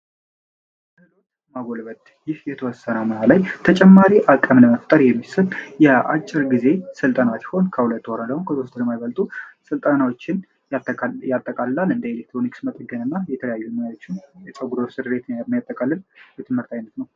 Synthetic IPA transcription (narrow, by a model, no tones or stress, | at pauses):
lelo̞t͡ʃː | maɡo̞lβət̪ | jɪhjɛt̪ʰəwɔsːənamənalajt̪ʰət͡ʃʼɛmːaɾiʔakʼːəmləməft̪ʼəɾjɛmːisəljɛa̰t͡ʃʼːɪɾɡize̞sɨlt̪ʼənat̪ho̞nkʰəhulət̪ːwoɾanləhonkʰət̪ost̪ʰɨɾəmajβəlt̪ʼusɨlt̪ʼanawo̞t͡ʃːɪn | jat̪ʼːəkʼaləlalɨnd̪əelek̚t̪ɾo̞niksmət̪ʼəɡənɨnːajɛt̪ʰələjajːumɨjaot͡ʃːɪnjɛt͡ʃʼəɡuɾosɨɾɨbet̪nanjat̪ʼːəkʼalːəlbət̪ʰɨmhɨɾt̪ʰajnət̪nəw